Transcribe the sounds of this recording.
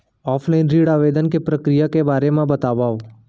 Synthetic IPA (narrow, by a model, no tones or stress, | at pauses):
ɔːfʰlaɪnɾiːɽaːʋeːd̪ənkepɾɐkɾijakebaːɾemãbɐt̪aːʋaːo